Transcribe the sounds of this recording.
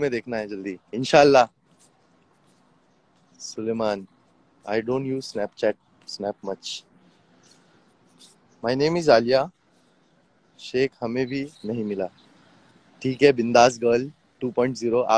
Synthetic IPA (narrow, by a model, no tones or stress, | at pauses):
mẽd̪ekʰnajed͡ʑəld̪iːinɕalːaɦ | sulemaːn | a̰jɖõːɳʈjuːzsnɛpt͡ɕæʈ̚ | snɛpmət͡ɕ | majnemiːzalja | ɕekʰhəmẽbʱiːnaɦĩmila | ʈʰiːkɦɛbind̪asɡəl | ʈuːpɔiɳʈziɾoʔa̰